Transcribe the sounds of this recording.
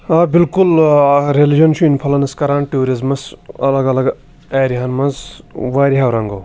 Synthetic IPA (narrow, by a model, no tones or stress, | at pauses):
abilkulɾelid͡ʒɐnt͡ʃʰuinpʰɐlɐnɐskɐɾaːnʈuːɾizmɐsɐlɐɡɐlɐɡ | ɛːɾiɦɐnmɐnzʋaːɾiɦawɾɐŋɡɐ̰w